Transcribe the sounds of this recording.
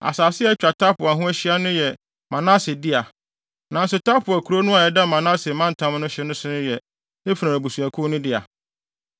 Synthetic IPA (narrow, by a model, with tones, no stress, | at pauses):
a̰˨saː˨sɪ˦ɛ˦t͡ɕᶣɾa˨tʰa˦pʊ˨a˨ɦʊ̃˦æ˦ɕi˦a˦nʊ̃˦jɛ˨ | mã˨nã˦sɪ˨dɪ˦a˨ | nã˨n˦sʊ˨tʰa˦pʰʊ˨æ˨kʰu˨˦ɾo˦nʊ̃˦a˨ɛ˨da˦mã˨nã˦sɪ˨mã˦n̩˨tʰã˦m˦nʊ̃˦ɕɪ˦nʊ̃˦sʊ˦nʊ̃˦jɛ˨ | e˦fu˨nã˨æ˨bu˨su˨æ˨kʰʊ̃˦nʊ̃˦dɪ˦a˨